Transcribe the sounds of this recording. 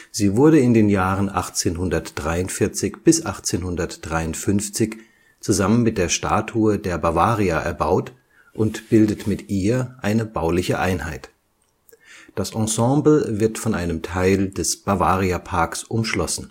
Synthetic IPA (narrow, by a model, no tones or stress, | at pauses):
z̥iːvʊɐdəɪndeːnjaːʁənʔa̰χt͡seːnɦʊndɐtd̥ʁaɪʊntfɪɐt͡sɪçb̥ɪsʔaχt͡seːnhʊndɐtd̥ʁaɪʊntfʏnft͡sɪç | t͡suzamənmɪt̚d̥eːɐʃta̰ːtʰuɐdeːɐbavaːʁiaʔɛ̰ɐbaʊt | ʔʊntb̥ɪldətmɪtʔiːɐʔaɪnəbaʊlɪçəʔaɪnhaɪt | d̥asʔɑ̃sɑ̃ːbl̩vɪɐtfɔnʔaɪnəmtʰaɪldɛsb̥avaːʁiapʰaɐksʔʊmʃlɔsn̩